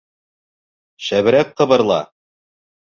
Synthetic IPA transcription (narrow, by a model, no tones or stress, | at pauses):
ʃæβɘ̆ɾæk̚qɤ̆βɤ̆ɾlˠɑ̰